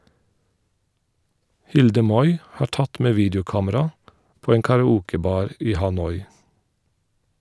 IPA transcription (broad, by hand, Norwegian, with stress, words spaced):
ˈhɪldə ˈmɔʏ ˈhɑː ˈʈɑt ˈmeː ˈʋiːdəʊˌkɑːməɾɑ ˈpoː ˈeːŋ kɑɹɑˈuːkəˌbɑːɹ ˈiː hɑˈnɔʏ